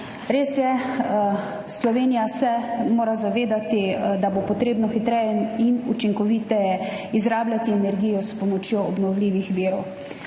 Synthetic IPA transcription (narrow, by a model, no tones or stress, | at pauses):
ɾeːsjɛ | slɔʋeːnijasɛmoːɾazaʋeːd̪at̪id̪abopɔt̪ɾeːbnɔxit̪ɾɛjɛinut͡ʃiŋkɔʋiːt̪ɛjɛizɾaːblʲjat̪iɛnɛɾɡiːjɔspɔmɔt͡ʃjoːɔbnɔwliːʋixʋiːɾɔw